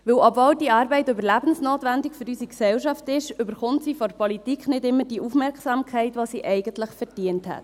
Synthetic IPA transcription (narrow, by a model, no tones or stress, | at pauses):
ʋɪwʔɔbvoːldiɑːɾbɛɪtøbəɾlæbən̩snoːtʋændɪkføɾysiksɛwʃɑftɪʃʏbəɾχʊntsiːfɔɾpɔlitikχnɪdɪmːəɾd̥iʔufmɛɾksɑːmkʰɛɪtʋoːsiːʔɛɪɡ̥əntləχfɛɾd̥iənthɛ̰t